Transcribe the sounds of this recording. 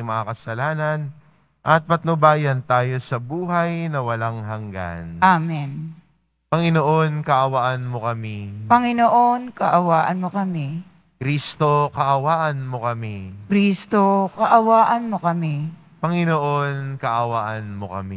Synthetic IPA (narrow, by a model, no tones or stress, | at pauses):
mɐŋakɐsɐlaːnɐn | ʔɐt̪̚mɐt̪̚nobaːjɐnt̪aːjo̞sɐbuːɦɐjnɐwɐlaŋɦɐŋɡa̰nʔamɛn | pɐŋɪnoʔo̞nkɐʔɐwaʔɐnmo̞kɐmipɐŋɪnoʔonkɐʔɐwaːʔɐnmokɐmi | kɾiːst̪o̞kɐʔɐwaːʔɐnmo̞kɐmikɾiːst̪okɐʔɐwaːʔɐnmokɐmi | pɐŋɪnoʔo̞nkɐʔɐwaːʔɐnmokɐ̰mi